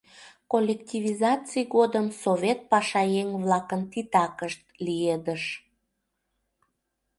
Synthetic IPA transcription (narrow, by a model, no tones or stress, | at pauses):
kolʲektʲivʲizɑt͡sijɣod̪əmsovʲet̪̚pɑʃɑjeŋβlɑkənt̪it̪ɑkəʃt̪̚lied̪əʃ